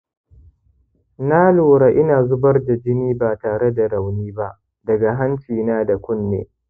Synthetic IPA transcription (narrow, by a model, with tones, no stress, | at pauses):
naː˦loː˨ɽa˨ʔɪ˦naː˨zʊ˦bɐ˦rda˨d͡ʒɪ˦niː˦baː˨taː˨ɽe˦da˨ɽa˨wniː˦ba˦ʔ | dɐ˨ɡa˨ɦa˦nt͡ʃiː˨naː˦da˨kʷʊ˦nːḛː˨